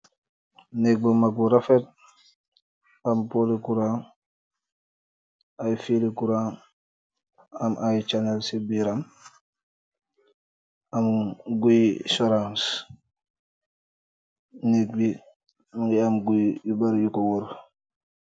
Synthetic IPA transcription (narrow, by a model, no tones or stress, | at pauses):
nek̚bumaɡuɾafet̚ | ampolikuɾaŋ | ajfilikuɾan | amʔajt͡ʃanelsibiɾam | amɡuisoɾãns | nek̚bi | miamɡujubaɾjukowuɾ